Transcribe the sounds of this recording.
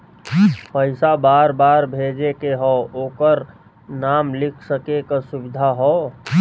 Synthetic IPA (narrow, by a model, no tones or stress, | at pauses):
pəɪsabaːɾbaːɾbʱed͡ʒekeɦɔoːkəɾ | naːmlɪkʰsəkekasʊbɪd̪ʱaɦɔ